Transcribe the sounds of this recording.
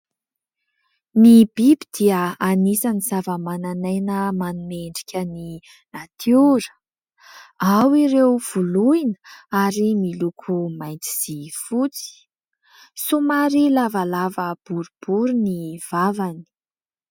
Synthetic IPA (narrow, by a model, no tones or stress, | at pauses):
nibibid̪̥iəanisanizavəmananajnəmanumeɳɖ͡ʐi̥kʲəni | nat̪ʰiuɾə̥ | awiɾewv̥uluinə̥aɾimilukʰumajnt̪i̥z̥ifut͡si̥ | sumaɾilavalavəb̥uɾub̥uɾuniv̥avani̥